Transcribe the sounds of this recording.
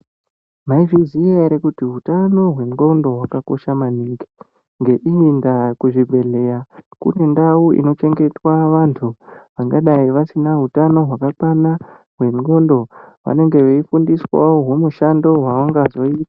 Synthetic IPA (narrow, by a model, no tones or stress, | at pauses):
maiviziaɾekutiɦutano̞ɦwe̞ŋɡo̞ndo̞ɦwakako̞ʃamaniːŋɡe | ŋɡe̞ʔiindakuʐibʱe̞ɮe̞jakṵne̞ndauḭno̞t͡ʃe̞ŋɡe̞twaʋantʰuʋaŋɡaɗaiʋasinaɦutano̞ɦwakakana | ɦwe̞nɡo̞ndo̞ʋa̰ne̞ŋɡe̞ʋeifundiswa̰oɦwo̞muʃando̞ɦwaaŋɡazo̞iːtḁ